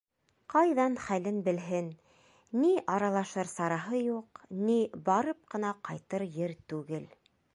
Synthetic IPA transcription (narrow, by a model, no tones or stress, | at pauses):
qɑjðɑnχælɘnbɘ̆lɦɘnː | iʔɑɾɑlˠɑʃɤɾsɑɾɑɦɤjuqnibɑɾɤp̚qɤ̆nɑqɑjt̪ɤɾjɘɾt̪ʉɡɘl